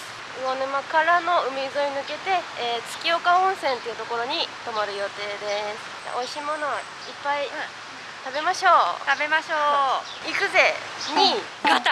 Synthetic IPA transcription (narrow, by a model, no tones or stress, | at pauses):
onomakaɾano̞ɯ̟mizo̞ɲinɯ̟ke̞t̪e̞ːt͡sɨ̥kʲio̞kaõɰ̃sẽ̞nt̪eiɯ̟t̪o̞ko̞ɾo̞ɲ̟it̪o̞maɾɯ̟jo̞t̪e̞ːd̪e̞sɨ̥ | a̰ʔoiɕiːmo̞no | ipːai | t̪abe̞maɕo̞ːt̪abemaɕoː | ikɯ̟ze̞ | ɲi | ɡa